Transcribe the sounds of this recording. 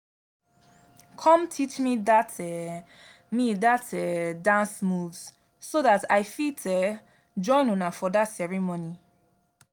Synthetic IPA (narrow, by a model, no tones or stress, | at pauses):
kʰɔ̃mtʰit͡ʃmidatʰɛ | midatʰɛdãnsmuvsː | oðataɪfitʰɛ | d͡ʒɔ̃ɪ̃nunafɔdatsɛɹimoni